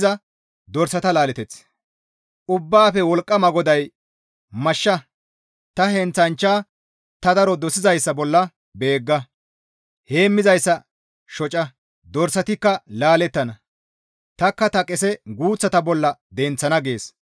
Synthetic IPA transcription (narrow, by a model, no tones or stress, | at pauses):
zɐ | d̪ɔɾsɐt̪ɐlaːlɛt̪ɛt͡s | ʔʊbːaːfɛwɔlkʼːɐmɐɡɔd̪ɐj | mɐʃːɐ | t̪ɐhɛnt͡sɐnt͡ʃːaː | t̪ɐd̪ɐɾɔd̪ɔsɪzɐjsːɐbɔlːɐ | be̞ːɡːɐ | he̞ːmːɪzɐjsːɐ | ʃɔt͡ʃʼɐ | d̪ɔɾsɐt̪ɪkːɐlaːlɛt̪ːɐnɐ | t̪ɐkːɐt̪ɐkʼɛsɛɡuːt͡sːɐt̪ɐbɔlːɐd̪ɛnt͡sːɐnɐɡe̞ːs